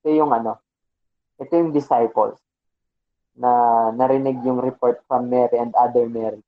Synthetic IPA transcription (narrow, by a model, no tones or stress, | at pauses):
t̪ojʊŋʔɐno̞ | ʔɛt̪ojʊŋd̪ɪsajpo̰ls | nɐnɐɾɪnɪɡjʊŋɾɛpoɹt̪̚fɹɐmːɛɾiɛ̃nd̪ʔad̪ɛɹmɛɾɪ